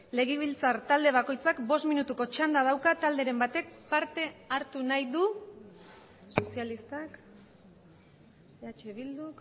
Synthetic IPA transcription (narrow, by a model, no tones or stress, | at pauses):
le̞ɣ̞iβ̞ilt͡saɾt̪ald̪e̞β̞ako̞jt͡sakbo̞st̪minut̪uko̞t͡ʃand̪að̞awkat̪ald̪e̞ɾe̞mbat̪e̞k̚paɾt̪e̞aɾt̪unajðu | so̞sialist̪ak | eat͡ʃe̞βild̪uk